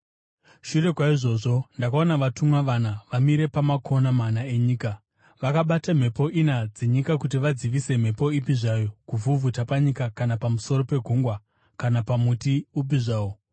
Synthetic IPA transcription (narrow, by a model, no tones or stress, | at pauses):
ʃure̞kwaiʐo̞ʐo̞ndakao̞naʋatumwaʋanaʋamiɾe̞pamakʰo̞namanae̞ɲiːka | ʋakaɓatam̤e̞po̞ʔinad͡ze̞ɲikakut̬iʋad͡ziʋise̞m̤e̞po̞ipiʐajo̞kuvuvʱutapaɲikakanapamuso̞ro̞pe̞ɡʱuŋɡwa | kanapamutiup̬iʐaːwo